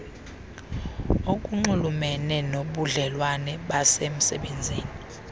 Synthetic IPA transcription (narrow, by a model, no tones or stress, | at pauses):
ok̬ʼuŋ͡ǃulumɛnɛnoɓuɮɛlwanɛɓasem̩sɛɓend͡zʱiːni